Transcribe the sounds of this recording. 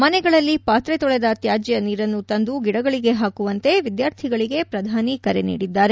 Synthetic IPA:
mɐnɛɡɐɭɐlːipaːt̪ɾɛt̪ɔɭɛd̪ɐt̪jaːd͡ʒɛjɐniːɾɐnːut̪ɐnd̪uɡiɽɐɡɐɭiɡe̞ɦaːkuʋɐnt̪e̞ʋid̪jaːɾt̪ʰiɡɐɭiɡe̞pɾɐd̪ʱaːnikɐɾenḭːɽid̪ːaːɾe

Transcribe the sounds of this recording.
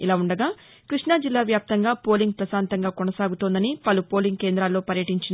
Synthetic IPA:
ilaːuɳɖɐɡaː | kɾiʂɳaːd͡ʒilːaːʋjaːp̚t̪ɐŋɡaːpo̞ːliŋɡ̚pɾɐsaːnt̪ɐŋɡaːkonɐsaːɡut̪ond̪ɐnipɐlupo̞ːliŋɡ̚ke̞ːnd̪ɾaːlːo̞ːpɐɾjɐʈiɲt͡ʃin

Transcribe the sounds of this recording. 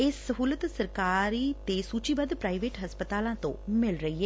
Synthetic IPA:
ɪsːəɦuːlət̪səɾkaːɾiːt̪eːsuːt͡ʃiːbəd̪pɾaːiʋeːʈɦəspət̪aːlãːt̪õ̰ːmɪlɾəiːɛː

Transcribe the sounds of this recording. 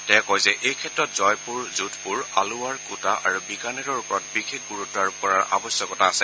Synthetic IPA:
tɛkɔjzɛʔʔejkʰɛtɹɔtzɔjpuɹzutʰpuɹaluwaɹkutaʔa̰ɹubiɡanɛɹɔɹupɔɹɔt̚bixʰekɡuɹutːaɹupɔɹaɹʔa̰bɔsjɔkɔtaːsɛ

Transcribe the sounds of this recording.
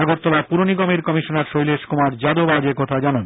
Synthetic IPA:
aɡoɾt̪ːɔlapuɾoniɡɔmeɾkɔmiʃonaɾʃojleʃkomaɾd͡ʑad̪obad͡ʑekɔt̪ʰad͡ʑanan

